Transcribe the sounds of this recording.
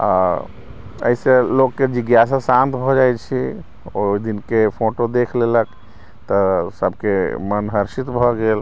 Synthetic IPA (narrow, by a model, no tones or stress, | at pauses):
a̰ | ə̰iselokːed͡ʒiɡjasasãnt̪bʱɔd͡ʒajt͡ʃʰi | oid̪inkepʰoʈod̪ekʰlelək | t̪ɔsəbkemənɦəɾʃit̪bʱɔɡel